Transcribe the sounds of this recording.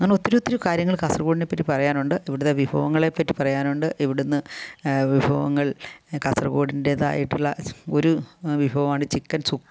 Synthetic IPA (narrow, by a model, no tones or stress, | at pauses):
ɐŋːɐneo̞t̪ːiɾuot̪ːiɾukaːɾjɐŋːɐɭkaːsrɐɣoːɽine̞pːɐtːipɐrɐjaːnuɳɖɨʔiʋiɽuðeʋibʱɐ̰ʋɐŋːɐɭe̞pːɐtːipɐrɐjaːnuɳɖɨʔiʋiɽunːɨʋibʱɐʋɐ̰ŋːɐɭkɐsrɐɣo̞ːɽinde̞ða̰ːjiʈːiɭːɐo̞ɾuʋibʱɐʋɐmaːɳɨt͡ɕikːɐnsukː